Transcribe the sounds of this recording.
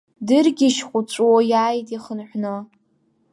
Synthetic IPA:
dɨrɡʲiʃχʷʊt͡ʃʷʼwojaːjtʼiχənħʷnɨ

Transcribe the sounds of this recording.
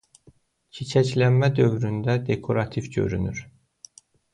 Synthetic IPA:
cʰit͡ʃʰæclænmæd̪ø̞vɾynd̪æd̪e̞kʰo̞ɾɑt̪ʰivɟø̞̰ɾy̰nyɾ

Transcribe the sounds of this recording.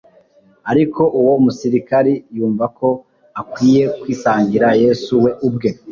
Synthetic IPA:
aɾikʰo̞ʔuwo̞musiɾikaɾijuːɱvako̞ | akwiːje̞kwiːsaːɲɟiɾaje̞ːsuwe̞ʔubɡe̞

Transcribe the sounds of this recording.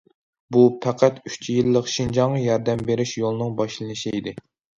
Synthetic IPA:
bupʰæqʰæt̪yt͡ʃʰijilːəqʃind͡ʒɑŋjɑɾd̪ɛmbeɾɪʃjolˠɨnɨŋbɑʃlˠɨnɨʃiid̪ɪ

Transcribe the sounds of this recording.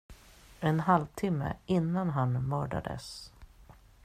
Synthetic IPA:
ɛnɦalvt̪ʰɪmːə̰ʔɪnːanɦanmœːɖa̰d̪ə̰s

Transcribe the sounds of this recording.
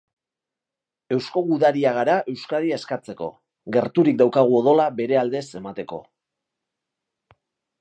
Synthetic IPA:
e̞wsko̞ɣuðaɾiaɣaɾaʔe̞wskaðiaeskat͡se̞ko̞̰ | ɣe̞ɾt̪uɾikd̪awkaɣ̞uo̞ðo̞labe̞ɾe̞ald̪e̞se̞mat̪e̞ko̞̰

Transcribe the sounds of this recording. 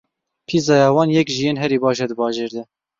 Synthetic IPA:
pʰizɑːjɑːwɑːnjɛkʒijeːnɦɛɾiːbɑːʃɛd̪ɨbɑːʒeːɾd̪ɛ

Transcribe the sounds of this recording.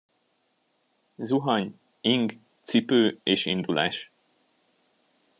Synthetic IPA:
zuɦɒɲ | iŋɡ | t̪sipøːeːʃḭnd̪ulʔa̰ːʃ

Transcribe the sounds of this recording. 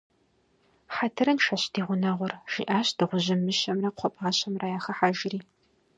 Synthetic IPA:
ħatʰɨɾɐnʃɐɕdiːʁʷʊnɐʁʷʊrʒ̥ḭːʔaːɕd̥ɨʁʷʊʑɪmɨɕɐmrɐqʷʰɔpʼaːɕɐmraːjaːχɐħaːʒɪriː

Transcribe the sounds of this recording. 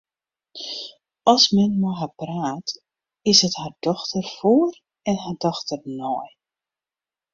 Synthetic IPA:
ɔsmɛnmɔɦapraːt | ɪsəthard̥ɔxtərfoːər | ɛnɦardɔxtərnɔj

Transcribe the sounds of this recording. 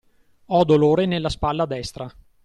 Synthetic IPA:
ɔd̪oloːɾenelːaspalːad̪ɛst̪ɾa

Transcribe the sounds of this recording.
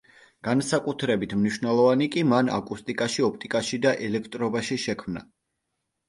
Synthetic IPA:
ɡ̥ansakʼut̪ʰɾɛbit̪ʰmniʃvnɛlˠɔvanikʼimana̰kʼust̪ʼikʼaʃiɔp̚ʰt̪ʼikʼaʃid̪aʔɛlɛkʰt̪ʼɾɔbaʃiʃɛkʰmna̰

